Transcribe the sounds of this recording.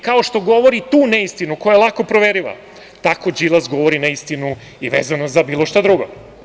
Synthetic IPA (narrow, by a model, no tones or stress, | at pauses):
kaoʃt̪o̞ɡo̞ʋo̞ɾit̪uːneist̪inuko̞jaelˠako̞pɾoʋeɾiʋa̰ | t̪ako̞d͡ʒilˠazɡo̞ʋo̞ɾinaist̪inu | iʋḛːzanozabiːlˠoʃt̪ad̪ɾuɡo̰